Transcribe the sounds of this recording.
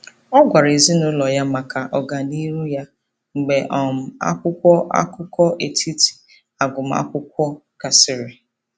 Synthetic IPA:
ɔ˦ɡʷa˨ɾe˨zi˦nʊ˦lɔ˨ja˦ma˨ka˨ʔɔ˨ɡa˨ni˦ɾu˦ja˦ | ŋ͡m̩˨ɡ͡be˨ʔɔ˨m̩˨a̰˦kʷʊ˦kʷɔ˦ʔa̰˦kʊ˦kɔ˦ʔe˨tʰi˦ti̥˨ | a˨ɡʊ˨m̩˨˦a̰˦kʷʊ˦kʷɔ˦ | ka˨sɪ˨ɾɪ˨

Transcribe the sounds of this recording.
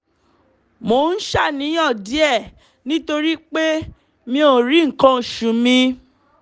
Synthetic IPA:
mo˨n̩˦ʃa˦˨nĩ˨˦jɔ̃˦˨di˨˦ɛ˦˨ | nĩ˦to˧ɾi˦k͡pe˦ | mĩ˧o˦˨ɾi˨˦ŋ̩˨kã˧˨ʃũ˨mĩ˧

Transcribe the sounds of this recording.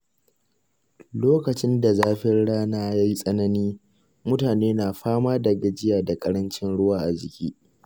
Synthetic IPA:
loː˦kɐ˨t͡ʃɪ˦nda˨zaː˦ɸɪ˦rɽaː˦naː˦ja˦ji˦sʼɐ˦nɐ˦niː˦ | mʊ˦taː˨neː˦naː˨ɸaː˦maː˦dɐ˨ɡɐ˦d͡ʒɪ˦jaː˨da˨kʼɐ˦ɾɐ˦nt͡ʃɪ˦nɽʊ˦waː˨ʔa˨d͡ʒɪ˨kʲiː˦

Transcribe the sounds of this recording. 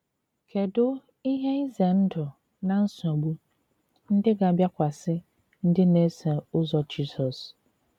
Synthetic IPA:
kʰɛ˨dʊ˦ | i˦ɦɛ̃˦zɛ̃˨n̩˦dʊ˨ | nã˦n̩˦sʊ̃˨a˨bu˦ | n̩˦dɪ˦ɡã˨bja˦kʷʰa˨sɪ˦ | n̩˦dɪ˦nɛ̃˦sɛ̃˨ʊ˦zɔ˦d͡ʒi˦sɔ˨s

